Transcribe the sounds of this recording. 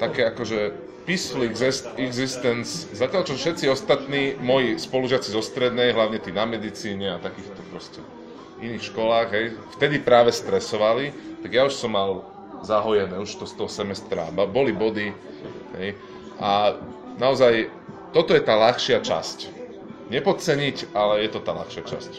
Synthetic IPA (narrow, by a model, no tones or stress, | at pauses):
t̪akɛːakɔʒɛ | pisfliɡzɛst̪ɛɡzist̪ɛnszacjalt͡ʃɔfʃɛt̪t͡siɔst̪at̪niːmɔjispɔluʒɪat͡sizɔst̪ɾɛd̪nɛjɦlaʊɲɛt̪iːnamɛd̪it͡siːɲɛat̪akiːxt̪ɔpɾɔscɛ | iniːxʃkɔlaːɣɦɛjft̪ɛd̪ipɾaːʋɛst̪ɾɛsɔʋalit̪aɡjauʃsɔmːal | zaɦɔjɛnɛːuʃt̪ɔst̪ɔɦɔsɛmɛst̪ɾa̰bbɔlibɔd̪i | ɦɛ̰j | ʔa | naɔzaj | t̪ɔt̪ɔjɛt̪aːlaxʃɪat͡ʃa̰sc | ɲɛpɔt̪̚t͡sɛɲicalɛjɛt̪ɔt̪aːla̰xʃɪat͡ʃa̰sc